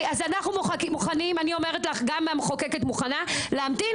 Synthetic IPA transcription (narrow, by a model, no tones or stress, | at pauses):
azanaχnumakimuχanimanio̞me̞ʁet̪laχɡamamχokeket̪muχanaleamt̪i